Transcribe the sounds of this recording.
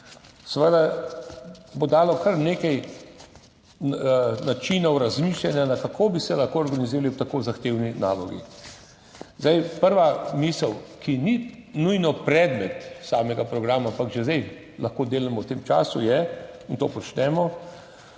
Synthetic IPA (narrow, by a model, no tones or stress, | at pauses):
sɛʋəd̪a | bod̪aːlɔkʰɐɾneːkɛj | nat͡ʃinɔwɾazmiːʃlʲanjanakakʰoːbisɛlɐxkoɔɾɡaniziːɾaliwt̪akoːzaxt̪eːwninaːlɔɡḭ | zd̪ajpəɾʋamiːsəwkʰininujnɔpɾɛd̪mɛt̪saːmɛɡapɾɔɡɾaːmaampakʒɛzd̪ɛj | lʔaxkoːd̪eːlɛmɔwt̪eːmt͡ʃa̰ːsṵjɛint̪o̰ːpɔt͡ʃnɛmɔ